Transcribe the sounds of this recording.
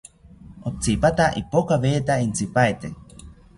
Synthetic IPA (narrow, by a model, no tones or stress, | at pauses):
op̚t͡sipat̪aʔipokaβeːt̪aint͡sipaet̪e